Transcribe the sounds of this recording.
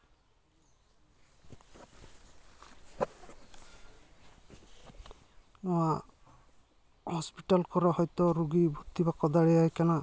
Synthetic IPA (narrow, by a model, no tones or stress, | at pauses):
ɔ̃wa | hɔspiʈalkɔɾahɔjt̪ɔɾuɡibʱut̪ːibakɔd̪aɽɛajkana